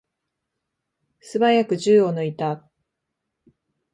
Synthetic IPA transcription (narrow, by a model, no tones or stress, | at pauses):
sɨbajakɯ̟ʑɨːono̞it̪a